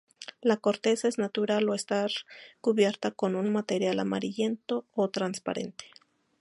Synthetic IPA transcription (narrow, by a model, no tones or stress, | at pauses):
lako̞ɾt̪e̞saeznat̪uɾaloest̪aɾkuβje̞ɾt̪ako̞nunmat̪e̞ɾjala̰ma̰ɾiʎent̪oːt̪ɾanspa̰ɾe̞̰nt̪e̥